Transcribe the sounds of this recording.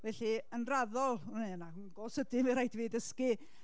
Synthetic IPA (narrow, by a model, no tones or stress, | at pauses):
vɛɬiənraðɔlˠunena | ɡoːsədɪmɨɾajtʰviːdəskɨ